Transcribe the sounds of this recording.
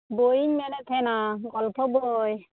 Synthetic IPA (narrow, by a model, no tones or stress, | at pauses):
bojiɲmɛnɛt̪ʰɛnaɡɔlpʰɔboj